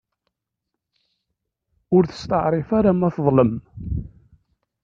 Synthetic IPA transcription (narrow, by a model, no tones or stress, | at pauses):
ʊɾθə̥st̪əʕɾˤɪfaɾamæθðˤləm